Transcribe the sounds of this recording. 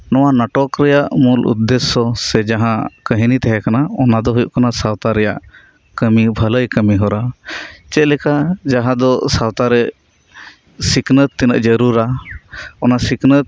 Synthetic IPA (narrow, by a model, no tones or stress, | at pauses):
nɔwanaʈɔkɾɛjaʔmulʔṵt̪ːɛsɔsɛd͡ʒaɦãkəɦinit̪ɛɦɛkanaɔnad̪ɔɦujṵʔkanasawt̪aɾɛja̰ʔ | kəmibʱələjkəmiɦɔɾat͡ʃɛlɛkad͡ʒaɦãd̪ɔsawt̪aɾɛ | siknət̪ːinə̰ʔd͡ʒəɾuɾa | ɔnasiknət̪̚